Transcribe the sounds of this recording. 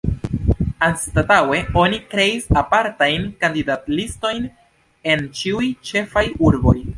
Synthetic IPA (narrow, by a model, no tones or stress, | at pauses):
anstatawe̞o̞nikɾe̞isapaɾtajnkandidatlisto̞jn | e̞nt͡ʃiujt͡ʃe̞fajuɾbo̞j